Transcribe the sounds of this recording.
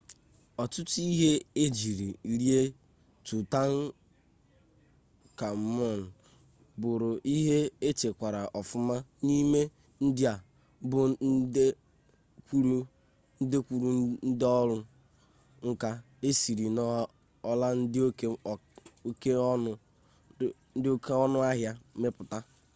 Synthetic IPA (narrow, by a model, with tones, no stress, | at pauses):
ɔ˨tʊ˦tʊ˦i˦ɦe˦e˦d͡ʒi˨ɾi˨ɾi˦e˦ | tu˨ta˦n̩˦ | ka˨m̩˦mɔ˦˨n̩˨ | bʊ˨ɾʊ˨ʔi˦ɦe˦e˦t͡ʃe˨kʷa˨ɾa˨ʔɔ˨fʊ˦ma˦ni˦me˦ | n̩˦dɪ˦a˨ | bʊ˨˦e˦ | kʷu˦ɾu˦ | n̩˦de˦kʷu˨ɾu˦n̩˦dɪ˦ɔ˦lʊ˦ | ŋ̩˦ka˦ | e˦si˨ɾi˨nɔ˦ | ɔ˦la˦n̩˦dɪ˦o˦˨o˦ke˦ɔ˦ | n̩˦dɪ˦o˦ke˦ɔ˦nʊ˦a˦ɦja˦me˦pʊ˨ta˦